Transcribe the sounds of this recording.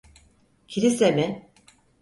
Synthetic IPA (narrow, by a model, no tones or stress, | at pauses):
cʰiɾisemɪ